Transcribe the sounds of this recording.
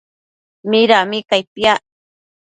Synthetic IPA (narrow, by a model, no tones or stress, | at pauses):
miɾamɪkajpja